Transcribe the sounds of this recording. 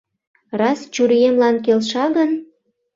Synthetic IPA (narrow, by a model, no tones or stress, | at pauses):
rɑst͡ɕuɾijemlɑnk̬elʃɑɣən